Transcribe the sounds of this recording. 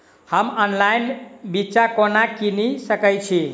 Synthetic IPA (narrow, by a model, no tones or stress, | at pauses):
həmənlajnbiːt͡ʃakonakinisəkəjt͡ʃʰi